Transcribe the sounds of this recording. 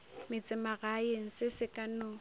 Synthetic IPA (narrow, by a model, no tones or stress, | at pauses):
mɪt͡sʼɪmaɣaeŋ̩sɪsɪkʼanʊ